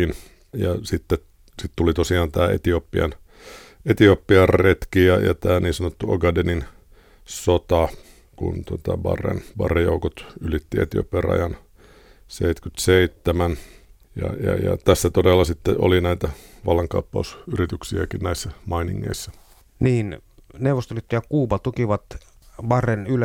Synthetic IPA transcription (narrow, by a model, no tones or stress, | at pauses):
in | jɑsit̪ːe | sit̪t̪ulit̪osiɑːnt̪æːḛt̪iopːiɑ̰n | et̪iopːiɑrːet̪kijɑjɑ̰t̪æːniːnsɑnot̪ːuoɡɑdenin | sot̪ɑ | kṵnt̪ot̪ɑʋɑ̰rḛnʋɑ̰rejo̰ukot̪ylit̪ːiḛt̪io̰pːiɑrɑ̰jɑn | seit̪kyt̪seit̪ːemæn | jɑ̰jɑjɑ̰t̪æsːæt̪odelːɑsit̪ːeʔo̰linæit̪æʋɑlːɑŋkɑupːɑusyrit̪yksiækinnæisːæmɑinḭŋːḛisːæ | niːnneuʋost̪oylit̪ːejɑkuːpɑt̪ukiʋɑt̪ʋɑrenyl